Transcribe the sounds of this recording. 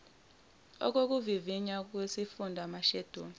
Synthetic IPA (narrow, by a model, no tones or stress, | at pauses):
ɔ̰k̬ok̬uviviɲak̬wesifundʱamaʃɛd̥ʱoːni